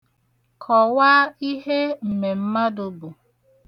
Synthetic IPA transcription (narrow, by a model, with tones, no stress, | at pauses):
kʰɔ˨waː˦i˦ɦe˦m̩˨me˨m̩˦ma˦dʊ˨bʊ˨